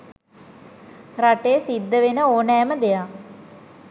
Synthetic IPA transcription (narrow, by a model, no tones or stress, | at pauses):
raʈeːsid̪ːəʋenəoːnɛːməd̪eja